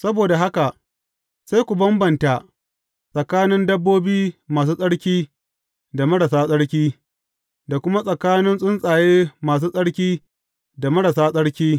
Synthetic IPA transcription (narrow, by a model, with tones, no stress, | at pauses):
sɐ˦boː˨da˨ɦa˦ka˨ʔ | sa˦jkʷu˨bɐ˦mbɐ˨nta˨ | sʼɐ˨kaː˦nɪ˦ndɐ˦bːoː˦biː˦maː˨s̬uː˦sʼɐ˦ɽkʲiː˦ | da˨mɐ˦ɽɐ˨saː˦sʼɐ˦ɽkʲiː˦ | da˨kʷʊ˦ma˦sʼɐ˨kaː˦nɪ˦nsʼʊ˦nsʼaː˨jeː˦maː˨s̬uː˦sʼɐ˦ɽkʲiː˦ | da˨mɐ˦ɽɐ˨saː˦sʼɐ˦ɽkʲiː˦